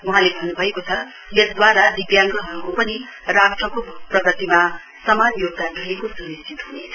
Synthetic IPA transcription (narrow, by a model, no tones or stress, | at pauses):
uɦãlebʱʌnːubʱʌekot͡sʰʌ | jʌsd̪waɾad̪ibjaŋɡʌɦʌɾukopʌni | rakʈrʌkoprʌɡʌt̪ima | sʌmanjoɡ̚d̪aɡʌɦekosuɾistʰit̪ɦunet͡sʰʌ̥